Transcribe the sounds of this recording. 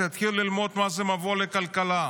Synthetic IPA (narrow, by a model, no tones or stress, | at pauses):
jat̪χillilmo̞d̪mazemavolekalkala